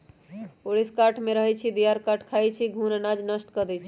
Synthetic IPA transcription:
oɽiskaʈʰmeɾəɦɛt͡ʃʰid̪ijaɾkaʈʰkʰajt͡ʃʰiɡʱunnad͡ʒnəsʈkəd̪ɛt͡ʃʰi̥

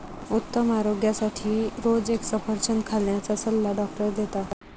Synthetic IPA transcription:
ut̪ːəmaɾoɡjasaʈʰiːɾod͡zeksəpəɾt͡ɕənkʰaljat͡sasəlːaɖɔk̚ʈəɾd̪et̪a

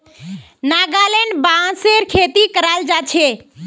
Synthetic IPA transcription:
naɡaleɳɖbãseɾkʰet̪ikəɾald͡ʒat͡ʃʰe

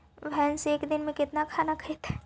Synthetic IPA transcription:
ʋɛːnseːkd̪ɪnmẽkɪt̪nakʰaːnakʰəet̪ɛː

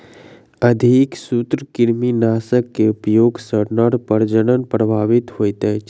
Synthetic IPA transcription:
ɐd̪ʱiksut̪ɾəkɪɾminaːsəkːeʊpjoːɡsəɽnəɽpəɾd͡ʒəɽ̃ənpɾəbʱaːʋɪt̪ɦoːit̪e

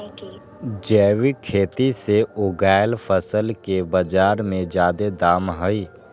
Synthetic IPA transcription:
d͡ʒɛːʋikʰːeːt̪iseʊɡaːɪlpʰəsəlkebəd͡ʒaːɾmẽd͡ʒjaːd̪ed̪aːmɦəi

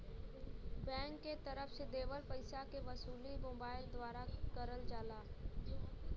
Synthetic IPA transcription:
bɛ̃ːŋkːet̪əɾəfsed̪eːʋəlpɐɪsakeʋɐsuːlimõːbaːɪld̪waːɾakəɾəld͡ʒaːlaː

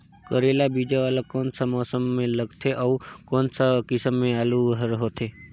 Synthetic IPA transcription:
kəɾelabid͡ʒaʋalakɔnsamɔsəmːẽləɡt̪ʰeʔəukɔnsakɪsəmːẽaluʋɦəɾɦot̪ʰe

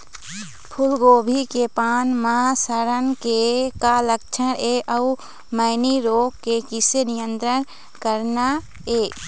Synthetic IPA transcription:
pʰʊlɡoːbʱikepaːnməɦasəɾənkekalək̚t͡ʃʰəneʔəu | məɪniɾoːɡkekɪsenijə̃nt̪ɾən | kəɾna | e

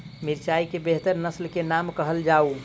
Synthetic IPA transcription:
miɾt͡ʃaikebeɦt̪əɾnəslkenamkəɦəld͡ʒau

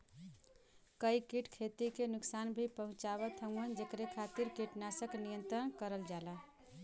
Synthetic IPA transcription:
kəjkiʈkʰet̪ikenuksanbʱipəɦũt͡ʃabət̪ʰəŋənd͡ʒekɾekʰat̪iɾkiʈnasəknijənt̪ɾənkəɾəld͡ʒala

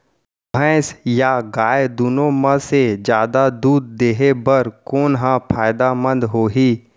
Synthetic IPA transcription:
bʱɛ̃ːsjaɡaːjd̪unõməsed͡ʒjaːd̪ad̪uːd̪̚ːeːɦebɐɾkoːnɦãpʰaːjd̪amə̃nd̪ɦoːɦiː

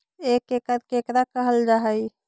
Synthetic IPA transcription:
ekekəɾkekɾakəɦəld͡ʒaɦəj

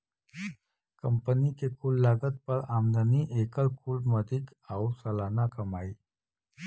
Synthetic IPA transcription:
kəmpənikekulːaɡət̪̚pəɾamd̪əniʔekəlkulməd̪ʱiːk | awsəlanakəmai

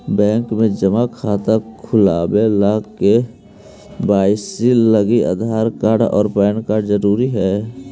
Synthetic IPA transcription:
bɛ̃ːŋkmẽd͡ʒəmakʰaːt̪akʰʊlaːbelaɡkːe | baːɪsiləɡia̰ːd̪ʱaːɾkaːɾɖɔ̰ːɾpɛːnkaːɾɖzəɾuːɾiɦɛː

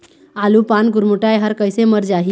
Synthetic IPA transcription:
alupanɡuɾmuʈajɦəɾkəjseməɾd͡ʒaɦi

